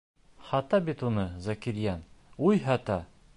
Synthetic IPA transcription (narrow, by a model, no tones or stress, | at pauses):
χɑt̪ɑbit̪unɤzɐkiɾjɑnujɦɑt̪ɑ